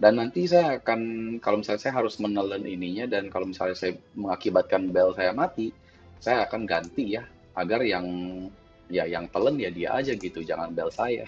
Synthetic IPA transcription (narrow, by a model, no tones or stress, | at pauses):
danːant̪is̬ajaːkankalomisalɲasajaɦaɾʊsmənələnʔiniɲadankalomisalɲasajaməŋakibat̪̚kanbɛlsajamat̪i | sajaːkanɡant̪ija | ʔaɡarjaŋ | jajaŋt̪ələnjadia̰ʔad͡ʒaɡit̪ud͡ʒaŋanbɛlsaja̰